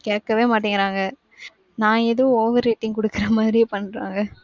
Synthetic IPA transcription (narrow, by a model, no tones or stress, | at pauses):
keːkːɐʋeːmaːʈ̬ːɪŋɡɪɾaːŋɡɐ | nãːɛðɯʋoːʋɐɾːiːʈːɪŋkɔɽɯkːɪɾɐmaːðɪɾɪjepɐɳːɾa̰ːŋɡɐ